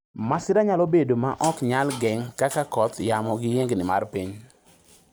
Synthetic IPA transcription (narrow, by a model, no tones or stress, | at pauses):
masɪɾaɲalobedomaʔɔkɲalɡɛŋkakakɔt̪jamɔɡɪjeŋɡnɪma̰rpiɲ